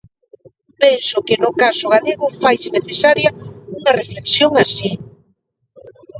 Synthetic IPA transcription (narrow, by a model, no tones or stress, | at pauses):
pensʊkɪnʊkasʊɣaleɣʊfajsɪneθesaɾjɐuŋɐrefleksjoŋasi